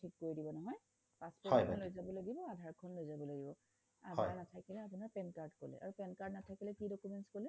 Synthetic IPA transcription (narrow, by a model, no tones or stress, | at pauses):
tʰikːoɹidibɔnɔɦɔj | paspɔɔjknlojzabɔlaɡibɔadʱaɹkʰɔnlojzabɔlaɡibɔ | a̰dʱaɹnatʰakilɛapunaɹpɛnkaɹdko̰lɛ̰ʔa̰ɹupɛnkaɹdnatʰakilɛkidokumɛntskolɛ